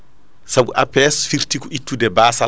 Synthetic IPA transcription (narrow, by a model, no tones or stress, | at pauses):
sabṵʔapɛsfiɾtikɔʔitːudɛbaːsa